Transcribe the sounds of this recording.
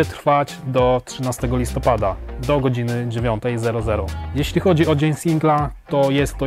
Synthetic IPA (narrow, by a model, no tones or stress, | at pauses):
ɛt̪ɾfad͡ʑd̪ɔtʂɘnast̪ɛɡɔlʲist̪ɔpad̪ad̪ɔɡɔd͡ʑinɘd͡ʑevʲjɔnt̪ɛjzɛɾɔzɛɾɔjɛɕlʲixɔd͡ʑiɔd͡ʑeɲsʲiŋɡlat̪ɔjɛst̪ːɔ